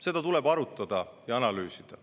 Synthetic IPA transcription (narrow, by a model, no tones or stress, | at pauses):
se̞d̪̥ɑt̪ule̞bɑɾut̪ːˑɑd̪̥ɑjɑɑnɑlyːsid̪̥ɑ